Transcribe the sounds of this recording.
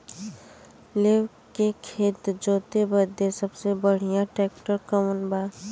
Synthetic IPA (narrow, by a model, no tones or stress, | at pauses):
leːw | kekʰeːt̪d͡ʒoːt̪ebəd̪esəbsebəɽ̤ijãʈɾɛːk̚ʈəɾkəmənbaː